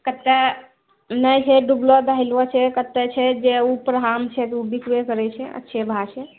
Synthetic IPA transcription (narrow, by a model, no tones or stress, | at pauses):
kət̪ːɛ | nəjt͡ʃʰɛɖublod̪aɦilʋɔt͡ʃʰɛkət̪ːɛt͡ʃʰɛd͡ʒeupɾɦamt͡ʃʰɛt̪ubikʋekəɾɛt͡ʃʰɛə̰tːʃʰebʱat͡ʃʰɛ